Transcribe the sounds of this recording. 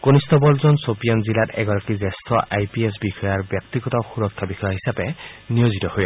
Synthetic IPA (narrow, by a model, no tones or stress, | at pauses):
konist̪ɔbɔlzɔnsopijanzilatɛɡɔɾɔkizest̪ʰɔʔʔajpies̬bixɔjaɹbjɔkt̪iɡɔt̪ɔxuɾɔkʰːabixʰɔjaɦisabenijozit̪ɔhoj